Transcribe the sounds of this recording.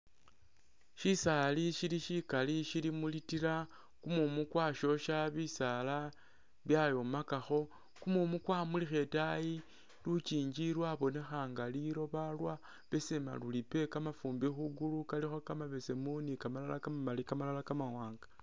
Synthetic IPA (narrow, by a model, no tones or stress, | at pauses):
ʃisaliʃiɾiʃikaliʃilimulitiɾa | kumumukwaːʃo̞ʃaβisala | βjajo̞makaxo̞ | kumumukwaːmulixe̞taji | lut͡ʃiːɲd͡ʒiɾwaβo̞ne̞xaːŋɡaliɾo̞βalwa | βe̞se̞ma̰lulipe̞kamafuːmbixuɡulukalixakamaβe̞se̞munikamalalakamamalikamalalakamawaːŋɡa